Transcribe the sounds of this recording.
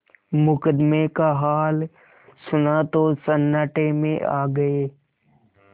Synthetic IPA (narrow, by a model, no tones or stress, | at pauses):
mʊkəd̪mekaɦaːl | sʊnat̪osənːəʈemḛ̃ʔa̰ːɡəeː